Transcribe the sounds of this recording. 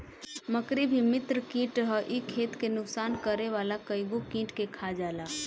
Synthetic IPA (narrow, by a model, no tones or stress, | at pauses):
məkɾibʱimɪt̪ɾəkĩːʈɦəʔikʰeːt̪kenʊksaːnkəɾeʋaːlakəjɡokĩːʈkekʰad͡ʒaːlaː